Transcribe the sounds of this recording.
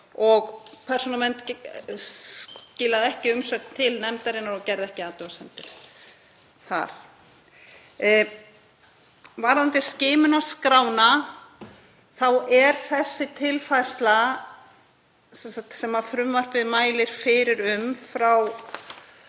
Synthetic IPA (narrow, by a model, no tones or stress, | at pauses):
ɔɣpʰɛr̥sɔnamɛnt̪ | cɪːlaðɛhcɪʏmsœkt̪ʰɪlnɛmt̪aɾɪnaɾɔcɛɾðɛhcɪaːt̪ʏasɛnt̪ɪl | θa̰ɾ̥ | vaːɾant̪ɪ̥scɪːmʏnaskɾaːwna | θawɛɾ̥θɛsːɪt̪ʰɪlfajr̥st̪la | sɛnsakt̪sɛmafɾʏmvar̥pɪðɪmaːjlɪɾ̥fɪɾɪɾʏmfɾaw